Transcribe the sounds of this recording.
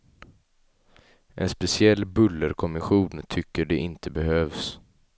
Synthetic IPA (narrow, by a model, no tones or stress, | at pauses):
ʔɛ̰nspɛsɪɛlːbɵlːəɾkʰɔmɪɧuːnt̪ʰʏkːəɖɛʔɪnt̪ʰəbɛhøːvs